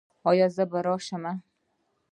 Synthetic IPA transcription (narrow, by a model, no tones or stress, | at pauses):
ɒjazabaɾɒːʃama